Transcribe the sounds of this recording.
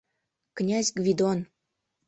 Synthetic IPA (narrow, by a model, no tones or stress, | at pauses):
knʲazʲɡvʲid̪on